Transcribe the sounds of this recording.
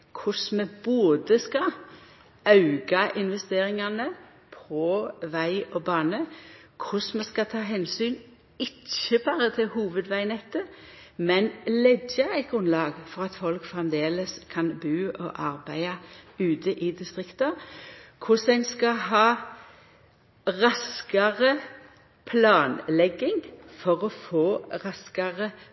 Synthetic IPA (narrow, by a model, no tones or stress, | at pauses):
kʰʊsmɛboːd̪əskɑ | ɑʉɡɑʔɪnʋɛst̪eːʁɪŋɑnə | pʰɔʋæɪʔɔbɑːnəkʰʊsmɛskɑt̪ʰɑːɦɛnsyːn | ɪçəbɑːʁət̪ʰɪlhuːʋəd̪ʋæɪnɛt̪ːə | mɛnlɛɡjɑæɪt̪̚ɡʊnlɑːɡfɔʁɑt̪fɔlkfʁɛmd̪eːləskʰɑnbʉːʔɔ̰ʔɑʁbæɪɑʉːt̪əʔɪd̪ɪst̪ʁɪkt̪ɑkʰʊsæɪnskɑɦɑː | ʁɑskɑʁə | pʰlɑːnlɛɡːɪŋfɔʁɔfoːʁɑskɑʁə